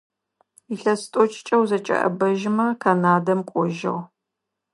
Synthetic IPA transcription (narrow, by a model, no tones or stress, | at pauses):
iɬɐstʼɔt͡ʃʼt͡ʃʼɐwzɐt͡ʃʼɐ̰ʔɐ̰bɐʒɪmɐkʰanaːdɐmkʷʼɔʒɐ̰ʁ